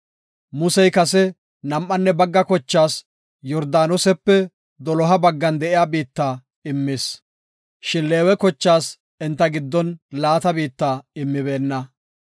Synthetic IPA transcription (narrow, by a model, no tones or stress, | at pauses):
mʊsɛjkɐsɛ | nɐmʔːɐnːɛbɐɡːɐkɔt͡ʃːaːs | jɔɾd̪aːnɔsɛpːɛ | d̪ɔlɔɦɐbɐɡːɐnd̪ɛʔɪjaːbiːt̪ːaː | ɪmːɪs | ʃɪnle̞ːwɛkɔt͡ʃːaːs | ɪnt̪ːɐɡɪd̪ːɔnlaːt̪ɐbiːt̪ːaːɪmːɪbe̞ːnːɐ